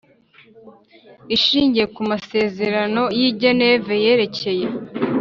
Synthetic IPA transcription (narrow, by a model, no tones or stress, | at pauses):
iʃiːɲɟije̞kumase̞ːze̞ɾano̞jiɟene̞veje̞ɾe̞ce̞je̞